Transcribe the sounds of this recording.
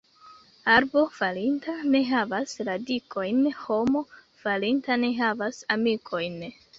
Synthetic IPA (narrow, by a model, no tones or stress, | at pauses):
aɾbo̞falintane̞ɦavasladikʰo̞jnho̞mo̞ | falintane̞ɦavasamikʰo̞jn